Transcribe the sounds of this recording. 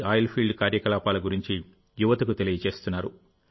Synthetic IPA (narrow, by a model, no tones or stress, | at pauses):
aːjlpʰilɖkaːɾjɐkɐlaːpaːlɐɡuɾiɲt͡ʃi | juʋɐt̪ɐkut̪e̞lijɐt͡ʃe̞ːst̪unːaːɾu